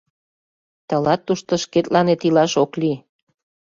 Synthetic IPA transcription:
t̪əlɑt̪ːuʃt̪oʃket̪lɑnet̪ilɑʃokli

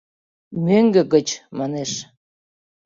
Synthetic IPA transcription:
møŋɡĕkə̆t͡ɕmɑneʃ

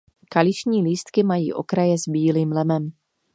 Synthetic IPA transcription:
kalɪʃɲiːliːst̪kɪmajḭːʔo̞̰kɾajɛzbiːliːmlɛmɛm

